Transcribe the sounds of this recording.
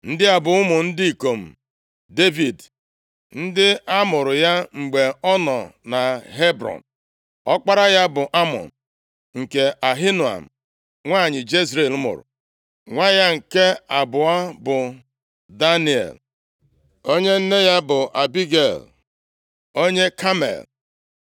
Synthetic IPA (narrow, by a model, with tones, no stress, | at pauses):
n̩˦dɪ˦a˨bʊ˨ʊ˦mʊ˨n̩˦di˦i˨ko˨m̩˨ | de˦vi˨d | n̩˦dɪ˦a˦mʊ˨ɾʊ˨ja˦ŋ͡m̩˨ɡ͡be˨ɔ˦nɔ̰˨na˨ɦe˦bɾɔ̰˨n | ɔ˦k͡pa˦ɾa˦ja˦bʊ˨ʔa˦mɔ̰˨n | ŋ̩˨ke˨ʔa˨ɦi˦nu˨a̰˨m̩˨ | ŋʷaː˦˨ɲɪ˨d͡ʒe˦zɾe˨l̩˦mʊ̰˨ɾʊ̰˨ | ŋʷa˦ja˦ŋ̩˨ke˦a˨bʊ˨a˦bʊ˨ | da˦ni˨ḛ˨l | o˦ɲe˦n̩˦ne˦ja˦bʊ˨ʔa˨bi˦ɡe˨l | o˦ɲe˦kʰa˦mḛ˨l